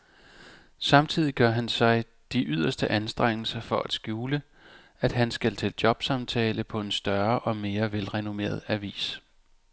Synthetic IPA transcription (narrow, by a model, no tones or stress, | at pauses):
sɑ̈mt͡sʰið̰ˠiɡ̥ɶɐɦænsɑ̈ɪ | d̥iʔyð̞̰ˠɐsd̥əʔænsd̥ʁeŋ̰l̩sɐfɒ̽ʔæd̥sɡ̥juːlə | æd̥ɦænsɡ̥ælt͡sʰe̝ld̥jɒ̽b̥sɑ̈mt͡sʰɛ̰ːləpʰɒ̽e̝nsd̥ɶɐʔɒ̽me̝ːɐʋelʁɛno̝me̝̰ːɐð̞̩ˠæɐʋḭːs